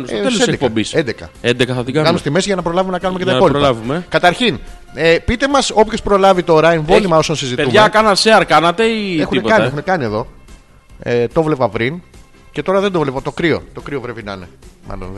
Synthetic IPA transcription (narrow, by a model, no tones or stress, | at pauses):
nsesseed̪ekpoɐbisend̪ekɐ̰end̪ekɐθɐðɡɐkɐnust̪ime̞siʝɐnɐpɾo̞lɐvume̞nɐkɐnumecet̪ɐipo̞liɾlɐvumekɐt̪ɐɾçin | epit̪e̞mɐso̞pçospɾo̞lɐvit̪o̞ɾɐeɱvo̞limɐo̞sɐnsiziteumʝɐkɐnɐseɐɾkɐnɐt̪eiexunekɐnexunekɐnie̞ðo̞ | et̪o̞vle̞vɐpɾin | ce̞t̪o̞ɾɐðed̪ovlevɐt̪o̞kɾio̞̰t̪o̞kɾio̞vɾevinɐ̰nḛmʔɐ̰lo̰n